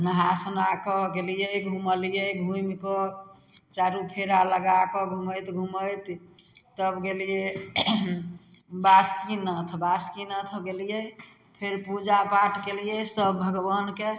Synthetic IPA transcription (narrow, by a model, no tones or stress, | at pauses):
nəɦasənakɔɡelijəɡʱuməlijəɡʱumkɔ | t͡ʃaɾupʰeɾaləɡakɔɡʱuməjt̪ɡʱuməjt̪ː | əbɡelije | baskinət̪ʰbaskinət̪ʰɡelijə | pʰeɾpud͡ʒapaʈkelijesəbʱəɡbənke